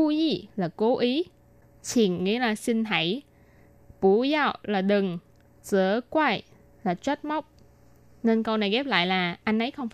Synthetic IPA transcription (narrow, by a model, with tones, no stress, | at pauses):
u˧zi˧˨˩laː˨˩ko˨˦ʔi˨˦ | t͡ɕʰi˨˩nŋḭ˧˥laː˨˩sï˧ŋ̟ɦa˧˩˦j | pu˧˩˦za˧˨wlaː˨˩ɗɨ˨˩ŋ | zɨ̰˧˥˦əkwa˧j | laː˨˩t͡ɕwa˦˥t̚ma˦˥wk͡p̚ | ne˧nkə˧wna˨˩jɣɛ˦˥p̚la̰ː˧˨jlaː˨˩ʔa˧jŋʔə˨˦jxə˧wŋ͡mfa˧˦